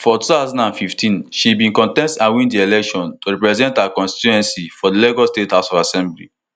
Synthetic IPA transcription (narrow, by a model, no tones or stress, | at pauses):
fɔtuθaʊzɔ̃ndãnfiftĩnʃibĩnkɔ̃ntɛ̃nstãwĩndielɛkʃɔ̃ntoɹɛpɹɛzɛ̃ntakɔ̃nsti̥tuɛ̃nsifɔdileɡɔstethaʊsɔvasɛ̃mblḭ